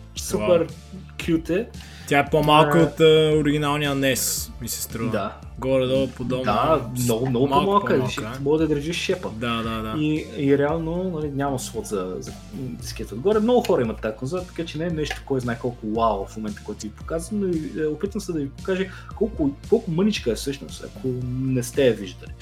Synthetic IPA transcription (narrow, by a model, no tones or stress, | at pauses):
supɛɾ | kʰʲjut̪ɛ | t̪ʲjaɛpomalˠkəot̪əoɾiɡʲinalˠnijənɛsmisɛ̥st̪ɾud̪a | ɡɔɾɛd̪ɔpod̪ɔd̪amɔɡʊmnɔɡʊpomalˠkəɛʃmɔɡd̪ɐd̪ɾʒiʃʃɛpəd̪ad̪ad̪aiiɾɛalˠnonɐlinʲamɐsvɔt̪zɐzɐ | skʲiət̪əod̪ɡɔɾɛmnɔɡʊxɔɾɐimɐt̪ːaːkonzoɾət̪ɐ̥kat͡ʃɛnɛːnɛʃt̪ʊ̥kɔjznajkɔlˠkʊwawˠfmomɛnt̪ə̥kɔjt̪ovipo̥kazvənoiopit̪vəmsɛd̪ɐvipo̥kaʒɛ | kɔlˠkʊkɔlˠkʊmɤnit͡ʃkəɛfsɤʃno̰st̪ɐ̰kʰonɛst̪ɛɐviʒd̪ɐli